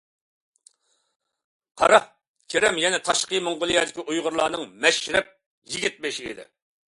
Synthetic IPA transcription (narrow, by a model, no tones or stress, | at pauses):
qʰɑ̰ɾɑ | kʲʰeɾɛmjɛnɛt̪ʰɑʃqəjmoŋʁʊlˠɨjɛd̪ɪkʲiʔujʁʊɾlˠɑːnɨŋmɛʃɾɛp̚ | jiɡʲit̪̚beʃɪḭd̪ɪ̰